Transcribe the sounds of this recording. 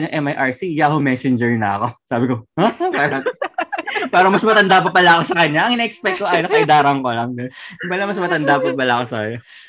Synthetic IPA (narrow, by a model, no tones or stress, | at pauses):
ɲoŋʔɛmɐjʔaɹsijaɦomɛːsɪnd͡ʒɛɹnɐ̰ɐko̞saːbɪkoapaːɾɐ | paːɾɐmɐsmɐt̪ɐnd̪ap̬ɐpɐlɐʔɐkosɐkɐɲːaʔɐŋɪnaːʔɛk̚spɛk̚t̪koʔajnɐkɐɪd̪aːɾɐŋkolɐŋd̪ɐɪpɐlɐmɐsmɐt̪ɐnd̪apɐpɐlɐʔɐkosɐkɐɲːa